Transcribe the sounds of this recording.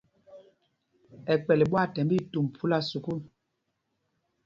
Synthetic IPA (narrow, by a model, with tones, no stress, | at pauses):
ɛ˨k͡pɛ˨li˨ɓwa˦˨tɛ˨m˦bi˦˨tu˨m˨pʰu˦la˦˨su˨ku˦˨l